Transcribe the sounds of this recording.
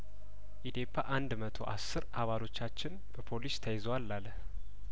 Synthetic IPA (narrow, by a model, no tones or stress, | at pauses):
ʔid̪epʰːaʔand̪mət̪ʰo̞̰ʔasːɨɾʔaβalo̞t͡ʃːat͡ʃːɪn | b̥əpʰo̞list̪ʰəjɛzəwalːaləh